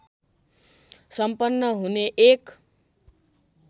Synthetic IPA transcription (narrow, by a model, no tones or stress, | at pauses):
sʌmpʌnːʌɦuneʔek